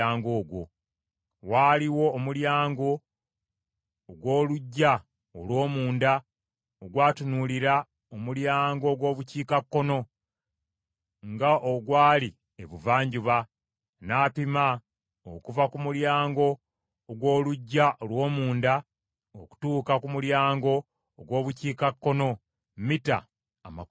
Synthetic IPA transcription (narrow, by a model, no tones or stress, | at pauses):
aːŋɡo̞ːɡwo | waːliwo̞ːmuljaːŋɡo̞ | ɡwo̞ːluɟːa | olwo̞ːmuːnda | oɡwaːtunuliɾa | omuljaːŋɡo̞ɡwo̞ːβuciːkakːo̞no̞ | ŋɡaʔoɡwaːli | eβuvaːɲɟuβa | naːpima | o̰kuvakumuljaːŋɡo̞ː | ɡwo̞ːluɟːaʔolwo̞ːmuːnda | oku̥tuːkakumuljaːŋɡo̞ː | ɡwo̞ːβuciːkakːo̞no̞ | mita̰ː | ma̰